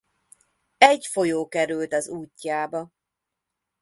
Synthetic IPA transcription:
ɛɟfo̞joːkɛɾylt̪ɒzuːcːaːbɒ

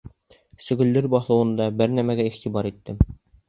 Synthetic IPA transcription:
sɵ̆ɡɵ̆lːɘɾbɑθˠɤ̆wɤ̆nd̪ɑbɘɾnæmæɡæiχt̪ibɑɾit̪ːɘm

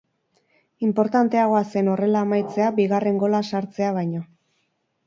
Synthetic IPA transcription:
impo̞ɾt̪ant̪e̞aɣ̞o̞ase̞no̞re̞laːmajt͡se̞abiɣ̞are̞ŋɡo̞lasaɾt͡se̞aβ̞ajɲo

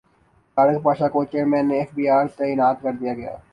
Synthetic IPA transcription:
t̪aːɽəkpaːʃakot͡ʃeːɾmɛ̃ːnːeɛfbiːaːɾt̪ɛːjɪnaːt̪kɐɾd̪ijaɡɐja̰ː

